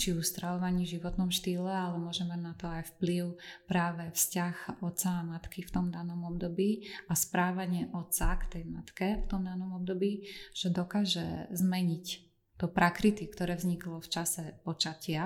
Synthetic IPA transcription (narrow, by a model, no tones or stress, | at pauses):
t͡ʃiust̪ɾaʋɔʋaɲiːʒiʋɔt̪nɔmʃt̪iːlɛalɛmʊɔʒɛmaɟnat̪ɔajfpliʊpɾaːʋɛfscaxɔt̪t͡saːmat̪kift̪ɔmd̪anɔmɔbd̪ɔbiːaspɾaːʋaɲɪɛʔɔt̪sakt̪ɛjmat̪kɛft̪ɔmd̪anɔmɔb̚d̪ɔbiːʒ̥ɛd̪ɔkaːʒɛ̰zmɛɲic | d̪̥ɔpɾakɾit̪ikt̪ɔɾɛːvzɲiklɔft͡ʃasɛpɔt͡ʃacɪa